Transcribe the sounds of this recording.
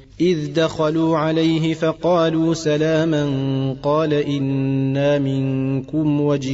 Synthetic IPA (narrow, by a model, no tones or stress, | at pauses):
ʔɪðd̪axaluːʕalajɦɪfɑqɑːluːsalaːmanqɑːlaʔɪnːaːmɪŋkʊmwad͡ʒ